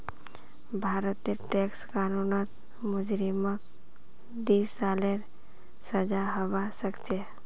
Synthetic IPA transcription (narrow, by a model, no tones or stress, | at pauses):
bʱaːɾət̪ːeʈekskaːnunət̪ | mʊd͡ʒɾimək̚ | d̪iːsːaːleɾ | səd͡ʒaɦəwasəkt͡ʃe